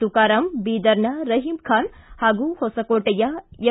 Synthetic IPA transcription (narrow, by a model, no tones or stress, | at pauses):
t̪ukaːɾɐmbiːd̪ɐɾnɐɾɐɦimkʰaːnhaːɡuhosɐkoːʈɐjajɐ